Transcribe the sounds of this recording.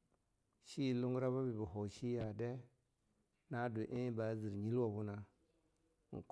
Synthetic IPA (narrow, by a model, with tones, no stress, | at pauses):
ʃi˦˨lu˦ŋɡɾa˦βa˦bi˨bu˨ɦo˨ʃi˦ja˨de˦ | na˦du˨ʔe˦ba˨˦zi˨ɾɲi˦lwa˨bu˦na˦˨ | ŋ̩˨k